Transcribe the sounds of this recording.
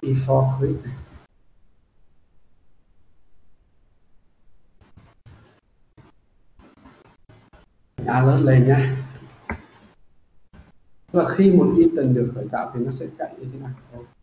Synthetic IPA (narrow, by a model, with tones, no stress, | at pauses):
ʔi˧fɔ˧kʰi˦˥t̚ | ŋʔaː˧ləː˦˥t̚lə˨˧jɲa˧˦˥ | laː˨˩xi˧mo˨˩t̚ʔi˧t̪ə˨˩nɗɨ˨˩ək̚həː˧˩jt̪a̰ː˧˨wt̪ʰi˨˩nɔ˨˦sɛ̰˧˥t͡ɕa̰˧˨jʔə̰˧˥zi˧˦nʔaː˧˩˨ə˧w